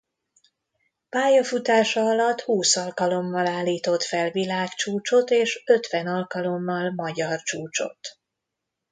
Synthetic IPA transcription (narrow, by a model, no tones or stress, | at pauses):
paːjɒfut̪aːʃɒɒlɒt̪ːhuːsɒlkɒlo̞mːɒlaːlːiːt̪o̞t̪fɛlvilaːkt͡ʃuːt͡ʃo̞t̪eːʃø̞t̪ʋɛnɒlkɒlo̞mːɒlmɒɟɒrt͡ʃuːt͡ʃo̞̰t̪